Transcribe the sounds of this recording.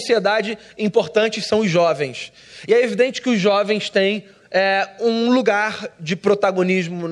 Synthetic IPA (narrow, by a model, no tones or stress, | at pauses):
sied̪ad͡ʒɪ | ĩpoɾt̪ɐ̃nt͡ʃɪsɐ̃w̃ʊzʒːɔvẽj̃s | ɪɛevid̪ẽnt͡ʃɪ̥kɪʊzʒɔvẽj̃st̪ẽj̃ | ɛũluɡaɾd͡ʒɪpɾot̪aɡoniʒmʊ